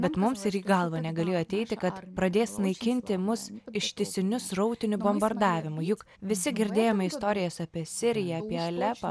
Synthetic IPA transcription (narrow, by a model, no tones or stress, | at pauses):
bʲɛt̪mʊmsɪɾiːɡɐlˠʋɐnʲɛɡɐlʲeːjoːɐt̪ʲɛɪt̪ʲɪkɐt̪pɾɐd̪ʲeːsnɐɪkʲɪnʲt̪ʲɪmʊsɪʃʲt̪ʲɪsʲɪnʲʊsɾɐʊt̪ʲɪnʲʊbombɐɾd̪ɑːʋʲɪmʊjʊk | ʋʲɪsʲɪɡʲɪɾʲd̪ʲeːjoːmʲɐɪst̪oːɾʲɪjɛsɑːpʲiɛsʲɪɾʲɪjɛɐːpʲiɛɐlʲɛpɐ